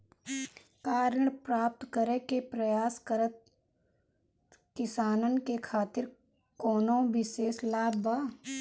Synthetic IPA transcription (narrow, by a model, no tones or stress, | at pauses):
kaːɾəɳpɾaːp̚t̪kəɾekepɾəjaːskəɾət̪̚ | kɪsaːnənkekʰaːt̪ɪɾ | koːnõʋɪʃeːslaːbba